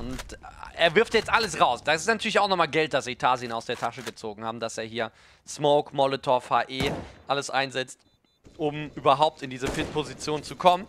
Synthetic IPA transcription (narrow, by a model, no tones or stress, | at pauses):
ʊntʔeːɐvɪɐftjɛt͡stʔaləsʁaʊsd̥aɪstnatʰyːɐlɪçaʊxnɔχmaːlɡɛlt̚d̥asz̥itʰaːziənaʊsd̥eːɐtʰaʃəɡət͡soːɡŋ̩haːbm̩d̥aseːɐɦiːɐ | smoʊkmɔlɪtʰɔɐfaːʔeːʔaləsʔa̰ɪnzɛt͡st | ʔʊmʔyːbɐɦaʊp̚tɪndiːzəfɪtpʰozit͡sjoːnt͡sukʰɔmən